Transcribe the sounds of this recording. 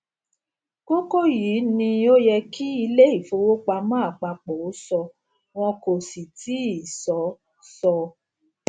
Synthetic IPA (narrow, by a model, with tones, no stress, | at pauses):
ko˦ko˦jiː˨˦nĩ˧o˦jɛ˧ki˦i˧le˦i˦˨fo˧wo˦k͡pa˧mãː˦˨k͡pa˧k͡pɔ˨o˨˦sɔ˧ | w̃ɔ̃˧ko˨si˨tʰi˨˦i˨sɔ˨˦ | sɔ˧